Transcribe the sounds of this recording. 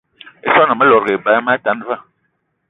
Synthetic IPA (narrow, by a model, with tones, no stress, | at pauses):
ḛ˦sɔ˦na˨mə˦lɔ˨ɾɡe˨ba˦ma˦ta˨˦n˦va˦˨